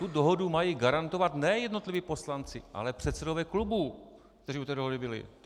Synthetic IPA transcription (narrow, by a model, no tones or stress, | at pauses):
t̪udoɦodumajiɡaɾant̪o̞vat̪nɛjɛdno̞t̪lɪviːpo̞slant͡sɪʔa̰lɛpr̥ɛt̪sɛdovɛːklubu | kt̪ɛriːut̪ɛːdoɦodɪbɪlɪ̰